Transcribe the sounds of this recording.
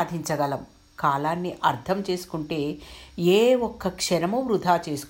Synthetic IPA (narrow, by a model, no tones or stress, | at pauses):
d̪ʱiɲt͡ʃɐɡɐlɐm | kaːlaːnːiʔɐɾt̪ʰɐmt͡ʃe̞ːsu̥kuɳʈe̞ːeːɔkːɐkʂɐɾɐmɐʋɾud̪ʱaːt͡ʃe̞ːsu̥